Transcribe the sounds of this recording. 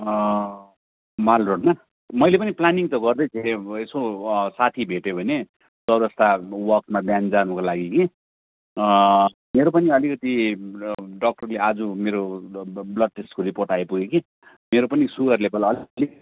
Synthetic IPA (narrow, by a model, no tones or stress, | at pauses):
malroɽna | mʌjlepʌniplaniŋt̪ʌɡʌrd̪ʌjt͡sʰeesosat̪ʰibʱeʈebʱʌne | sʌɾʌst̪awʌk̚tmabjãnd͡zanukolaɡiki | meɾopʌniʌlikʌt̪i | ɖʌk̚ʈʌrlead͡zumeɾoblʌd̚ʈesʈkoɾiporʈajpuɡeki | meɾopʌnisukʌrlebʌlʌlli